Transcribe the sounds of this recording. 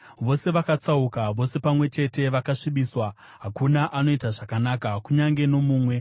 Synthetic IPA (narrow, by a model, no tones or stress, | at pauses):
ʋo̞se̞ʋakat͡saukaʋo̞se̞pamwe̞t͡ʃe̞te̞ʋakaʂiɓiswa | ɦakunaʔano̞itaʐakanakakuɲaŋɡe̞no̞muːmwe̞